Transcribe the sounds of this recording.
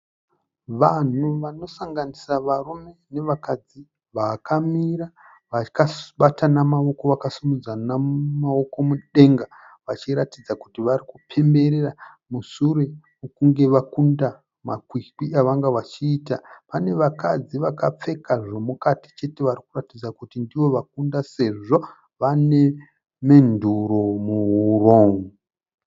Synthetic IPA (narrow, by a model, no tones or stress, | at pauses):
ʋan̤uʋano̞saŋɡanisaʋarume̞ne̞ʋakad͡zi | ʋaːkʰamiɾa | ʋakaɓatanamao̞ko̞ʋakasumud͡zanamao̞ko̞muɗe̞ŋɡa | ʋat͡ʃiɾatid͡zakutiʋarikupʰe̞mbe̞ɾera | musuɾe | ukuŋɡe̞ʋakunda | makwikiʔaʋaŋɡaʋat͡ʃiːtapane̞ʋakad͡ziʋakap͡fe̞kaʐo̞mukati̥t͡ʃe̞te̞ʋarikuratid͡zakutindiʋo̞ʋak̚undase̞ʐo̞ | ʋane̞ | me̞nduɾo̞muuro̞ːŋɡu